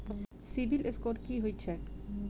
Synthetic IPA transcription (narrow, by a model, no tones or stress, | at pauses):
sibileskoɾkiɦojt͡ɕʰe